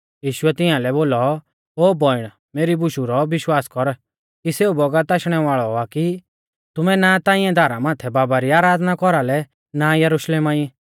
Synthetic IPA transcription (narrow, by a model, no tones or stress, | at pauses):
jiːʃʊɛt̪ɪ̃ãlɛboːlɔ | oːbɔɪɽ̃ | meːɾibʊʃuɾɔʋɪʃwaːskɔɾ | kiseːubɔɡət̪aːʃɽ̃ɛʋaːɭɔaki | t̪ʊmɛnat̪ãːɪ̃ɛ̃d̪ʱaːɾamãːt̪ʰɛbaːbaɾiaːɾaːd̪nakɔɾalɛ | najɐɾʊʃleːmaːĩ